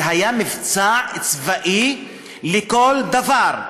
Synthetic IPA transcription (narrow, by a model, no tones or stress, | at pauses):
ɦajamivt͡saʕt͡svaʔi | lekold̪avaʁ